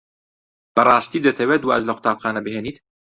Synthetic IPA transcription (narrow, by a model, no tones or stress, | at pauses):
b̥ɐrˤɑːst̪iːd̪ɐt̪ʰɐweːt̪waʔɐzlɐqʰʊ̥t̪ʰaːpxaːnɐbɨɦeːniːt̪